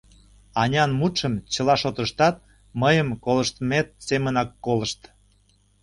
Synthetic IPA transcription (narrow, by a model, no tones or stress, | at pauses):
ɑnʲɑnmut̪ʃəmt͡ɕəlɑʃot̪əʃt̪ɑt̪̚ | məjəmkoləʃt̪met̪̚semənɑkːoləʃt̪